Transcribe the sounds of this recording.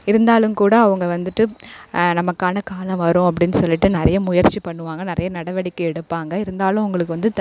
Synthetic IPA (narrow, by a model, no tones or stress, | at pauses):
ɪɾɯnd̪aːlɯmkuːɽɐːʋɐŋɡɐʋɐnd̪ɯʈːɯnɐmɐkːaːnɐkaːlɐ̃mʋɐɾʊ̃ɐp̬ːɐɽɪnːɯsɔlːɪʈːɯnɪɾɐjɐmʊjɐɾt͡ʃipɐɳːɯʋaːŋɡɐnɪɾɐjɐnɐɽɐʋɐɽɪkːɯɛɽɯpːaːŋɡɐɪɾɯnd̪aːlʊ̃ʊŋɡɐɭɯkːɯʋɐnd̪ɯt̪